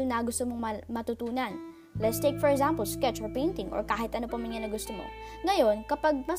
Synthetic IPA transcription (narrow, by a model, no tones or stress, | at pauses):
lnɐɡʊst̪omoŋmɐmɐt̪ʊt̪uːnɐn | lɛt̪st̪ejkfɔɹɛkzampɐlskɛt͡ʃɔɹpejnt̪ɪŋʔo̰ɹkaːhɪt̪ʔɐnopɐmɪŋɐnɐɡʊst̪omo̰ŋɐjo̞nkɐpaɡ̚mɐ